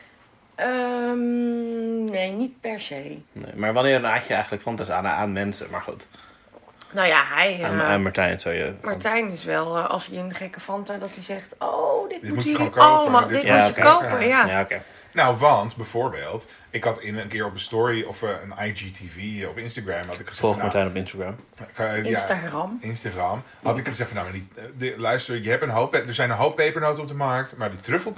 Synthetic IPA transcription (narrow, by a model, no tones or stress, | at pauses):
ʔəm | nejnit̚pɛɹzejnḛjmaːɹʋɑnɪːɾənaːcəɛjχənləkfɑntasanaːnmɛnsə̰ma̰ɹχṵt | nowjaɦɛjanmaɹtɛjnnsowjə̰maɹtɛjnɪsʋɛlˠɑ̰lˠsiənχɛkəfɑntadɑtizɛχtodɪt̚dɪtmutokːlmaddɪtjaːoəekowpəjajaːokej | nowʋɑntbɛfoːɹbḛːlˠt | ɪkhɑtɪnənkɪəɹɔpəstɔɹiɔfənajd͡ʒitʰiviɔpɪnstaɡramɑtɪkχəz̥ɛɔlˠxmatɛjnɔpɪnstaɡram | jaɑmɪnstaɡram | hɑtɪkχəzɛxtfɔnamɛdidəlœɥstəəjəɦɛpənɦowpdəɹzɛjnənɦowppːejpəɹnoːtəɔp̚dəmaɹk̚tmaɹditrøfəl̩ˠ